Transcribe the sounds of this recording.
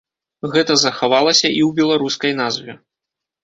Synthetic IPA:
ɣɛt̪ɐzɐxavalˠɐsʲɐʔiwbʲɛlˠaɾuskɐjnazvʲɛ

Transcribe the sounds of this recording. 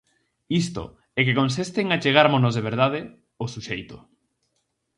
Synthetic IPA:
ist̪ʊ̰ | ɛkekõns̬ist̪eŋat͡ʃeɣ̞aɾmonozðeβ̞eɾðað̞ɪ | osuʃejt̪ʊ

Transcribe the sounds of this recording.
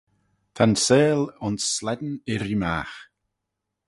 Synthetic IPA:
t̪ʰanseːlʊnsːlɛd̪n̩ɪɾima̰ːx

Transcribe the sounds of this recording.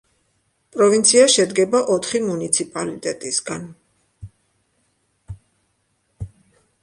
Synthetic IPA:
pʼɾɔvint̪sʰiaʃɛd̪ɡɛbaʔɔt̪ʰχimunit̪sʰipʼalit̪ʼɛt̪ʼisɡan

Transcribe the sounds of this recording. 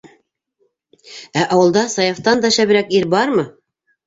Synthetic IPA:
æʔɑwɤ̆lˠd̪ɑsɑjɑft̪ɑnd̪ɑɕæβɘ̆ɾækiɾbɑɾmɤ

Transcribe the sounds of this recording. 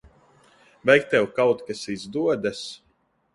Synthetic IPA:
vʲɛjk̚t̪ɛwkawt̪kasizd̪uɔd̪as

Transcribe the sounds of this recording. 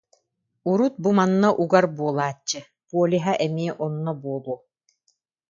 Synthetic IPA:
uɾut̪̚bumanːaʔuɡaɾbuɔlˠaːt͡ɕːɯ | puɔliɦaʔɛmiɛʔɔnːɔbuɔlˠuɔ

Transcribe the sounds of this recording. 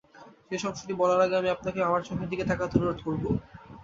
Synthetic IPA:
ʃeʃɔbʃoʈibɔlaɾaɡeamiap̚nakeamaɾʃʰɔbed̪iket̪ʰakad̪ʰʱonoɾot̪koɾbo

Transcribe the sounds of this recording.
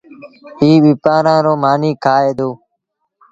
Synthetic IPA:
iːɓɪpaːɾãːɾoːmaːniːkʰaːeːd̪oː

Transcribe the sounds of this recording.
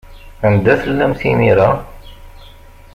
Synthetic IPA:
ænd̪æθəlːæmθimiɾæ

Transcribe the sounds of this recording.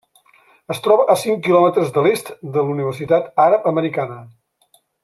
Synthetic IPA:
əst̪ɾɔβəʔəsiŋkilɔmət̪ɾəzðəlest̪d̪əluniβ̞ərsit̪at̪aɾəpəməɾikanə

